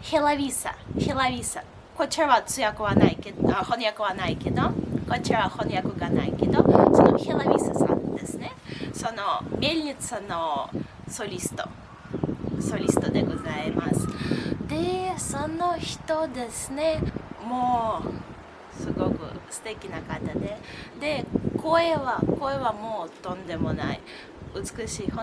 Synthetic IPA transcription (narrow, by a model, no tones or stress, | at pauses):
xʲelˠavʲisa̰xʲelˠavʲisa | kot͡ʃɾʋat͡sɨjakɔʋanajkʲexonjakɔʋanajkʲed̪okot͡ʃɾaxonjakɔɡanajkʲed̪ɔsɔnɔxʲelˠavʲisasʋa̰d̪esnɛsonomʲelʲnʲit͡sano | solʲist̪o̰ | so̞ɾʲisɨ̥t̪o̞d̪e̞ɡo̞zaimasɨ̥d̪e̞so̞no̞çi̥t̪o̞d̪e̞sɨne̞moː | sɨɡo̞kɯ̟̰sɨ̥t̪e̞kʲinakat̪ad̪e̞d̪e̞ko̞eβako̞e̞βamo̞ːt̪õ̞nd̪e̞mo̞na̰ḭ | ɯ̟t͡sɨ̥kɯ̟ɕiːhõ